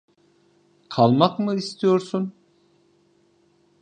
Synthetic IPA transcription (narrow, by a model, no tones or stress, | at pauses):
kʰalˠmakmɯist̪ʰijo̞ɾsun